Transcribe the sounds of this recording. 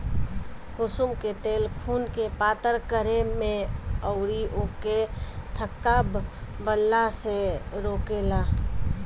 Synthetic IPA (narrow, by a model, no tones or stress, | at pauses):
kʊsumket̪eːlpʰuːnkepaːt̪əɾkəɾemẽəʊɾiʔoket̪ʰəkːaːb | bəlːaseɾoːkelaː